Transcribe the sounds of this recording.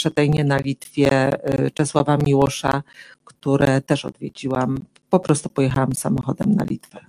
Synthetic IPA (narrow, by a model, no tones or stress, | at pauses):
pʂɛt̪ɛjɲɛnalʲit̪fʲjɛt͡ʂɛswavamʲiwɔʂakt̪uɾɛt̪ɛʂɔ̰d̪vʲjed͡ʑiwam | pɔpɾɔst̪upɔjɛxawamsamɔxɔd̪ɛmna̰lʲḭt̪vɛ